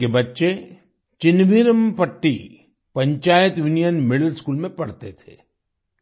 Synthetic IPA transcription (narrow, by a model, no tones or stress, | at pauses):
kebɐtːʃe | t͡ʃɪnʋiːɾəmpəʈːi | pɐ̃ɲt͡ʃaːjət̪junijənmɪɽəlskuːlmẽpɐɽt̪et̪ʰḛː